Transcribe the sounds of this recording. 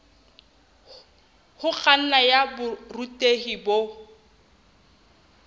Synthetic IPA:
hʊk͡xʰʼan̩najabʊrutʼehibo

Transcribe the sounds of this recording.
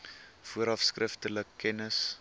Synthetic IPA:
fuəɾɐfskrʔəftələkʰːɛnəs

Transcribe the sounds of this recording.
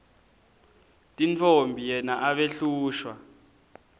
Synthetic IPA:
tʼint͡fʰombʱijɛnaʔaɓeɬuːʃwa

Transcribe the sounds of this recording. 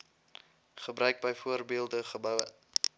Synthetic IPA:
χəbrœɥk̚bəjfuərbiəlˠdəχəbəw

